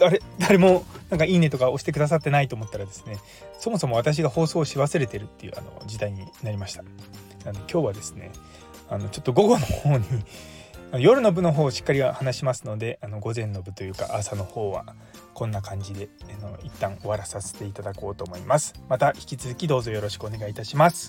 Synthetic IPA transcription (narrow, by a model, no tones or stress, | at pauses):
d̪̥aɾe̞d̪aɾe̞mo̞nãŋkaiːne̞t̪o̞kao̞ɕi̥t̪ekɯ̟d̪as̬at̪ːenait̪oːmo̞t̪ːaɾad̪e̞sɨ̥ne̞ | so̞mo̞somo̞at̪aɕ̬iɡaho̞ːso̞ːɕiβasɨɾe̞t̪e̞ɾɯ̟t̪ːe̞jɯ̟̰ːa̰no̞̰d͡ʑid̪aiɲ̟inaɾʲimaɕi̥t̪ḁ | ano̞kʲo̞ːβad̪e̞sɨ̥ne̞̰ | ano̞t͡ɕo̞t̪ːo̞ɡo̞ɡo̞no̞ho̞ːɲ̟i | anojo̞ɾɯ̟no̞bɯ̟no̞ɦo̞ːɕi̥kːaɾʲiβahanaɕimasɨno̞d̪e̞ʔano̞ɡo̞zẽ̞nːo̞bɯ̟t̪o̞jɯ̟ːka̰ʔasano̞ho̞ːβa̰ | kõ̞nːakãɲ̟d͡ʑid̪e̞ano̞it̪ːãŋo̞βaɾasase̞̥t̪e̞it̪ad̪ako̞ːt̪o̞ːmo̞imasɨ̥mat̪açi̥kʲit͡sɨzɨkʲid̪o̞ːzo̞jo̞ɾo̞ɕi̥kɯone̞ɡait̪aɕimasɨ̥